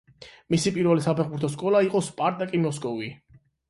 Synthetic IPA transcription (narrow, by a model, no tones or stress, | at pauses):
misipʼiɾvɛlisapʰɛχbuɾt̪ʰɔs̬kʼɔlˠaiqʼɔspʼaɾt̪ʼakʼimɔskʼɔvi